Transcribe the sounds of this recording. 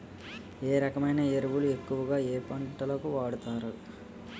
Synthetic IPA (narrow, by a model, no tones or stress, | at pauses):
eːɾɐkɐmɐjnɐeɾuʋulue̞kːuʋɐɡaːeːpɐɳʈɐlɐkuʋaːɽut̪aːɾu